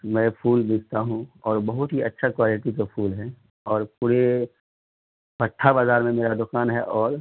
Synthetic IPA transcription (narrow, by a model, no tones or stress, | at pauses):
mɛ̃ːpʰuːld̪eːkʰt̪aɦũɔːɾbɐɦʊt̪ɦiɐtːʃʰakwaːlɪʈikapʰuːlɦɛ | ɔːɾpuːɾe | pɐʈʰːabaːzaːɾmẽmeːɾad̪ʊkaːnɦɛʔɔːɾ